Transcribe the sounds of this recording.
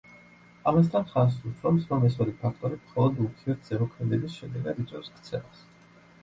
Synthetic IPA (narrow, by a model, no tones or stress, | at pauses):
amas̬t̪ʰanχans̬usʰɾɔmsvamɛs̬ɔd̪ipʰakʰt̪ʼɔɾimχɔlˠɔd̪ukʰiɔt̪̚ʰz̥ɛmɔkʰmɛd̪ɛbisʃɛd̪ɛɡad̪it̪sʼwɛɾskʰt̪sʰɛlˠas